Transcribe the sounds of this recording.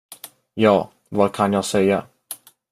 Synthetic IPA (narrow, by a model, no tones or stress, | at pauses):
jɑː | vɑːkʰanjɑːɡsɛja